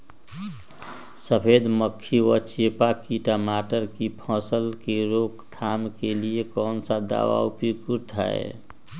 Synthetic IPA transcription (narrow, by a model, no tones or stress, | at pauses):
səpʰed̪məkʰːiwət͡ʃepakiʈəmaːʈəɾkipʰɔ̃ːsəlkeɾokt̪ʰamkeliekɔːnsad̪a̰ːʋa̰ʊpikuɾt̪ʰa̰ḛ